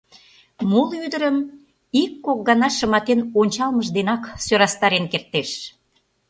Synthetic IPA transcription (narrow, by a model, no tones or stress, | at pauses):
mulyd̪əɾəm | ikːok̚ɡɑnɑʃə̆mɑt̪enonʲt͡ɕɑlməʒd̪enɑksøɾɑst̪ɑɾenkert̪ːeʃ